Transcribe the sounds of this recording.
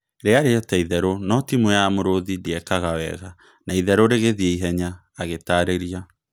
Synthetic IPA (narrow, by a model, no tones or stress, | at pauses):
ɾeaɾeataiðɛɾonɔtimwɛjamoɾoðideɛkaɣawɛ̰ɣa | naiðɛɾoɾeɣeðiɛiɦɛɲaː | ɣetaːɾeɾia